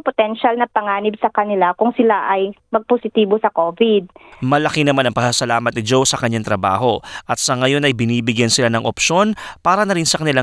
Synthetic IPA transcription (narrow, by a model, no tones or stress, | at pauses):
pot̪ɛnʃalnɐpɐŋaːnɪbsɐkɐnɪlakʊŋsɪlaʔɐjmɐɡ̚posɪt̪iːbosɐkoːvɪd̪̚mɐlɐkinɐmanɐŋpɐsasɐlaːmɐt̪̚nɪd͡ʒowsɐkɐɲːaŋt̪ɾɐba̰ːɦo̞ʔɐt̪̚sɐŋɐjo̞nɐjbɪniːbɪɡjansɪlanɐŋʔopʃo̞npaːɾɐnɐɾinsɐkɐnɪla